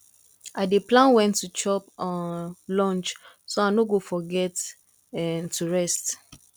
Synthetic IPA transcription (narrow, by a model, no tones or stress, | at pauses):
ʔadeplãnwɛ̃ntʰːut͡ʃɔpɔnlɔ̃nt͡ʃ | soaɪnoɡofɔɡɛt | ɛntʰuɹɛst